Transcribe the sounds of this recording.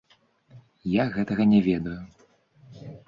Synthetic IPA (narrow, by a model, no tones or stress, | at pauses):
jaɣɛt̪ɐɣɐnʲɛvʲɛd̪ɐju